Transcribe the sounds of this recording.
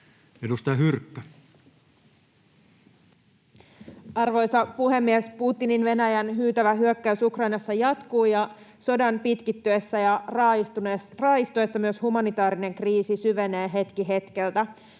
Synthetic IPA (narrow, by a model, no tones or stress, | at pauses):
edust̪ɑjɑɦyrkːæ | ɑrʋo̞jsɑpuɦe̞mːiesput̪ːininʋe̞næjænɦyːt̪æʋæɦyøkːæysukrɑjnɑsːɑjɑt̪kuːjɑ | so̞dɑnpit̪kit̪ːyesːæjɑr | rɑːjist̪uesːɑmyøshumɑnit̪ɑːɾine̞ŋkriːsisyʋe̞neːɦe̞t̪kiɦe̞t̪ke̞lt̪æ